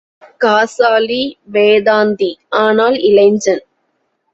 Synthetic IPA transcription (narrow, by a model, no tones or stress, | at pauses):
kaːsaːliʋeːðaːnd̪iaːnaːlɪlɐɪɲd͡ʒɐn